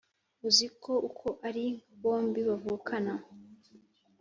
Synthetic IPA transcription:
uziko̞ʔukʰo̞ʔaɾiβo̞ːmbiβavuːkʰana

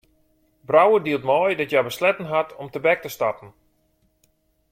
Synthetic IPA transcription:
brawədiəlˠtmɔjdɔtjajbəslɛtən̩ɦatʰɔmtəbɛk̚təstapən̩

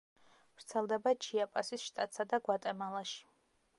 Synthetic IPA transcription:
vɾt̪sʰɛlˠd̪ɛbat͡ʃʰiapʼasisʃt̪ʼat̪ʼsad̪aɡwat̪ʼɛmalˠaʃi̥

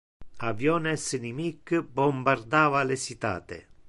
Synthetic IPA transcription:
avjɔnɛsnimikːbɔmbaɾd̪aːvalesit̪a̰ːt̪ḛ

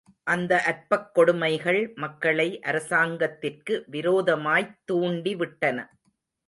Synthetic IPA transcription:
ʔɐnd̪ɐʔɐr̚pɐkːɔɽʊmɐɪɣɐɭmɐkːɐɭɐɪʔɐɾɐsaːŋɡɐt̪ːɪrkɯʋɪɾoːðɐmaːjt̪ːuːɳɖiʋɪʈːɐnɐ̰

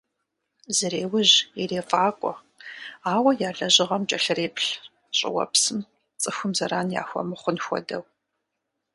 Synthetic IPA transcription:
zɨɾeːwʊʑireːfʼaːkʷʼɔ | aːwɐjaːɮɐʑɪʁɐmt͡ʃʼɐɬɨreːpɬ | ɕʼɪ̰wɐ̰psɨm | t͡sʼɨxʷʊmzɐɾaːnja̰ːxʷɔ̰mɨχʷʊnxʷɔ̰dɐw

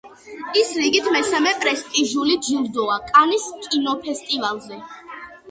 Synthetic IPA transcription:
isɾiɡit̪ʰmɛsamɛpʼɾɛst̪ʼiʒulid͡ʒilˠd̪ɔakʼaniskʼinɔpʰɛst̪ʼivalˠzɛ

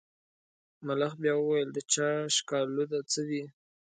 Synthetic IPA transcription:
malaxbjɑwəwajəld̪ət͡ʃɑʃkɑlud̪at͡səwi

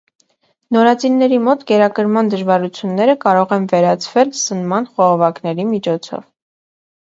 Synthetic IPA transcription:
nɔɾɑt͡sinːɛɾimɔt̪ɡɛɾɑkəɾmɑnd̪əʒvɑɾut͡sʰjunːɛɾəkɑɾɔʁɛnvɛɾɑt͡sʰvɛlsənmɑnχɔʁɔvɑknɛɾimit͡ʃʰɔt͡sʰɔ̰v

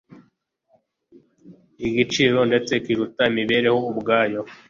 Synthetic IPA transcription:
iɡit͡ʃiːɾo̞nde̞t͡se̞kiɾutaimiβe̞ːɾe̞houbɡaːjo̞

